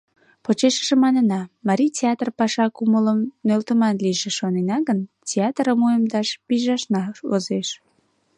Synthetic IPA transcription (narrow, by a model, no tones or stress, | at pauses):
pot͡ɕeʃə̥ʒemɑnənɑmɑɾʲitʲeɑt̪rpɑʃɑkumələmnølt̪əmɑnliʒeʃonenɑɣəntʲeɑt̪rəmujəmd̪ɑʃpiʒɑʃnɑo̰zeʃ